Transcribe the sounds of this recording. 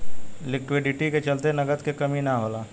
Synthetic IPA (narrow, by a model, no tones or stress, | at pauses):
lɪkwɪɖɪʈiket͡ʃɐlt̪enɐɡət̪kekɐminaɦoːlaː